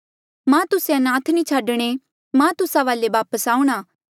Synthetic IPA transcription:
mãt̪ʊseɐnãːt̪ʰnĩt͡ʃʰaːɖɽ̃e | mãt̪ʊsãʋaːleʋaːpəsaːũɽ̃aː

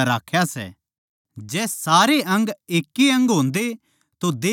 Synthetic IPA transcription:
ɾaːkʰjasɛ̰ | d͡ʒɛːsaːɾeʔɐ̃ŋɡeːkːiɐ̃ŋɡɦõːnd̪e | t̪od̪eː

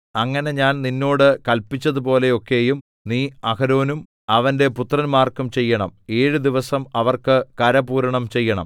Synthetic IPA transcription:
ɐŋːɐne̞ɲaːnninːo̞ːɽɨkɐlpːit͡ɕːɐðupo̞ːle̞o̞kːe̞ːjum | niːɐkɐɾo̞ːnum | ɐʋɐnde̞put̪rɐnmaːrkumt͡ɕe̞jːɐɳɐme̞ːɻud̪iʋɐsɐmɐʋɐrkɨkɐɾɐbuːɾɐɳɐmt͡ɕe̞jːɐɳɐ̰m

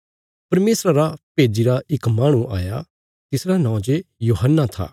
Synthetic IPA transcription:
pɐɾmeːsɾaɾapeːd͡ʒiɾaʔɪkmaːɽ̃ũʔa̰ːja̰ | t̪ɪsɾanãːõd͡ʒejuːɦənːat̪ʰa̰ː

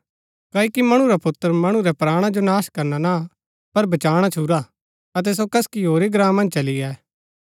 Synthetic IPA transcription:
kɐːikimɐɽ̃ũɾapʊt̪ːəɾmɐɽ̃ũɾɛpɾaːɽ̃ad͡ʒonaːʃkɐɾnana | pɐɾbɐt͡ʃaːɽ̃at͡ʃʰuːɾa | ɐt̪ɛs̬okɐskiɦoːɾiɡɾãːmɐ̃nd͡ʒt͡ʃɐliɛː

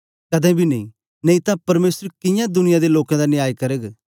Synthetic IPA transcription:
kɐd̪ɛ̃bʱinɐ̃ḭ̃ | neĩt̪ãpɐɾmeːsəɾkɪjãd̪ʊnɪjãd̪eloːkãd̪anɪjaːjkɐɾəɡ

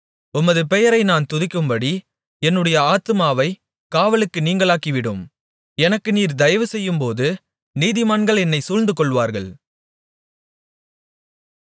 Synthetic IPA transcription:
ʊmːɐðɯpɛjɐɾɐɪnaːnt̪ʊðɪkːɯmbɐɽi | ɛnːɯɽɐjɐaːt̪ɯmaːʋɐɪ | kaːʋɐɭɯkːɯniːŋɡɐɭaːkiʋɪɽɯm | ɛnɐkːɯniːɾd̪ɐjɐʋɯsɛjːɯmpoːðɯ | niːðɪmaːnɡɐɭɛnːɐɪsuːɻnd̪ɯkɔɭʋaːɾɣɐɭ

